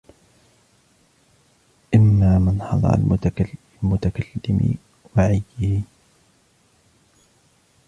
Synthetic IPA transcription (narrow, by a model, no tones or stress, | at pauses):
ʔɪmːaːmɪnħɑd̪ˤɑ̰ɾˤa̰l | lmʊt̪akalːɪmɪ̰ | waʕɪjːɪh